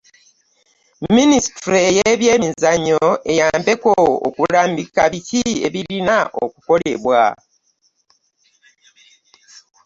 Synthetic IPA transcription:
ministɾiejeβje̞ːmizaɲoe̞jaːmbe̞koo̰kulaːmbikaβicie̞̰βiɾinaʔo̰kuko̞le̞̰βwa̰

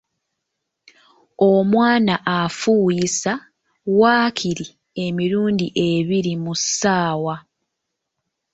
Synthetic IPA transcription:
omwaːnaʔafuːjisa | waːkʰiɾi | e̞miɾuːndiʔe̞βiɾimusaːwa

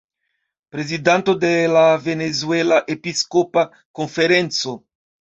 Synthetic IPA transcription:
pɾezid̪ant̪od̪elavenezwɛlaʔepiskopa | koɱfeɾɛnt̪so

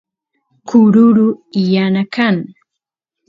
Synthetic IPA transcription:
kʊɾʊɾʊijanakaŋ

